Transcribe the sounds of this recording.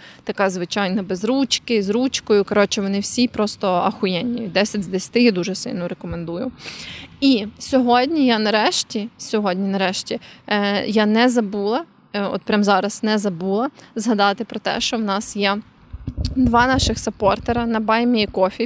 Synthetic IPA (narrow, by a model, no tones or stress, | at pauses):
t̪ɐkɑzʋɪt͡ʃɑjnɐbezɾut͡ʃkɪzɾut͡ʃkɔjʊkɐɾɔt͡ʃɪʋɔnɪwsʲipɾɔst̪ɔɐxʊjɛnʲːijʊd̪ɛsʲɐtʲzd̪esʲɐ̥t̪ɪjad̪uʒɛsɪ̰lʲnɔɾekɔmend̪ujʊ | isʲɔɦɔdʲnʲijanɐɾɛʃtʲisʲɔɦɔdʲnʲinɐɾɛʃtʲi | janɛzɐbulˠɐ | ɔ̰t̪̚pɾʲamzɑɾɐsnɛzɐbulˠɐzɦɐd̪ɑt̪ɪpɾɔt̪ɛ̰ʃt͡ʃɔwnɑsjɛ | d̪ʋɑnɑʃɪxsɐpɔrt̪eɾɐnɐbɑjmʲiikɔfʲi